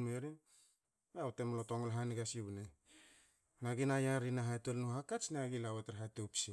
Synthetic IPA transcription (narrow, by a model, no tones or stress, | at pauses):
meɾi | atemlotoŋolɦaniɡasiβune | naɡinajaɾinaɦaetolnuhakat͡ʃneaɡilaweteɾɦatopsi